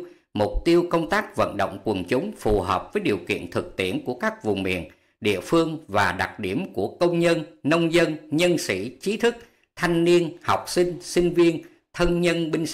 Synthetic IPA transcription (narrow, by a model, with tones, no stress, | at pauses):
mʊ˨˩k͡p̚t̪i˧əwkə˧wŋ͡mt̪aː˦˥k̚və̰˧˨nɗo̰˧˨wŋ͡mkwə˨˩nt͡ɕʊ˨˦ŋ͡mfu˨˩ɦəː˨˩p̚vəː˨˦jɗi˨˩əwkḭ˧˨ənt̪ʰɨ˨˩k̚t̪i˦˩ənku˧˩əkaː˦˥k̚vʊ˨˩ŋ͡mmḭ˧˨ən | ɗḭ˧˨əfɨ˧əŋvaː˨˩ɗa˨˩k̚ɗi˧˩əmku˧˩əkə˧wŋ͡mɲə˧nːə˧wŋ͡mzə˧nɲə˧nsḭ˧˩t͡ɕi˨˦t̪ʰɨ˦˥k̚ | t̪ʰa˧jŋ̟ni˧ənha˨˩wk͡p̚sï˧ŋ̟sï˧ŋ̟vi˧ən | t̪ʰə˧nɲə˧nɓï˧ŋ̟